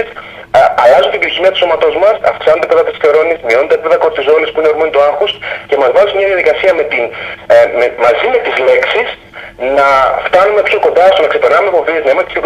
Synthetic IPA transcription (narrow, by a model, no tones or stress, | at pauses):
s | ɐlɐzunt̪ibioçimiɐt̪uso̞mɐt̪o̞zmɐsɐ̰fksɐnot̪epeðɐt̪isθoɾo̞nismio̞nod̪epipeðɐkoɾt̪izo̞nispuineoɾmonit̪oɐxuscemɐzvɐzosmɲɐðiɐðikɐsiɐme̞t̪inmemɐzime̞t̪izle̞ksis | nɐft̪ɐnumepsoko̞nd̪ɐst̪onɐkse̞peɾnɐumefo̞vieznɐimɐst̪i̥sop